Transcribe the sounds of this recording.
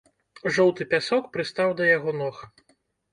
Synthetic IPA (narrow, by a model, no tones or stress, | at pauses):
ʐɔwt̪ɨpʲasɔkpɾɨst̪awd̪ɐjaɣɔnɔx